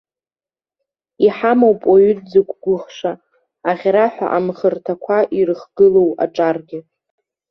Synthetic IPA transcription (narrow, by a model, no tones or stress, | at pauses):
iħamowpʼoɥʏdd͡zɨkʷʰʼɡʷʊχʂaː | ʁʲɾaħʷᶣa̰ʔamχərtʰakʷʰaʔirɨχɡ̥ɨlowa̰ʈ͡ʂʼarɡʲɪ